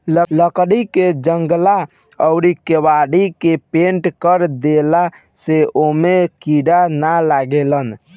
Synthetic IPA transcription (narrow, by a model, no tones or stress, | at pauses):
lələkɽiked͡ʒəŋɡla | əʊɾikewaɽikepẽɳʈkəɾd̪ela | seʔomekiɖanalaɡelən